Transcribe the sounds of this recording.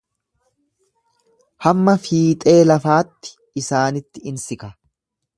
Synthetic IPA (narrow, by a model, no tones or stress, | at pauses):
hɐmːɐfiːt̪ʼe̞ːlɐfaːt̪ːɪ̥ | ɪsaːnɪt̪ːɪɪnsɪkɐ